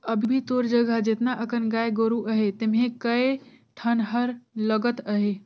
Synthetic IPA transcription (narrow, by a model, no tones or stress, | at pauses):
əbʱibʱit̪oɾd͡ʒəɡʱad͡ʒet̪naʔəkənɡaeɡoɾuʔəɦet̪emɦẽkəe | ʈʰənɦəɾləɡət̪əɦe